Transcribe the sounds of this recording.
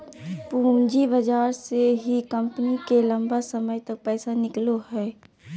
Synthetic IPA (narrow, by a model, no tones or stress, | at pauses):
pũːd͡ʒibəd͡ʒaːɾseɦikə̃mpnikelə̃mbasəməjt̪ɐk̚pɛːsanɪkloɦɛː